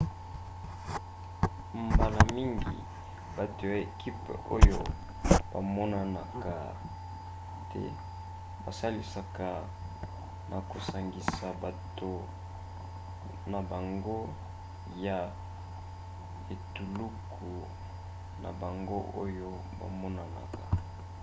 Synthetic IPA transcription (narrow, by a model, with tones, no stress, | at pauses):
mba˨la˨mi˦ŋɡḭ˨ | ba˨to˨ja˨e˨ki˦po̰˦jo˦ | ba̰˨mɔ˦na˦na˨ka˨ | tɛ̰˦ | ba˨sa˦li˨sa˨ka˨ | na˨ko˨sa˨ŋɡi˨sa˨ba˨to˨ | na˨ba˨ŋɡo˦ | ja˨ | e˨tu˨lu˦kʰu˨ | na̰˨ba˨ŋɡo˦ʔo˦jo˦ | ba̰˨mɔ˦na˨na̰˨ka˨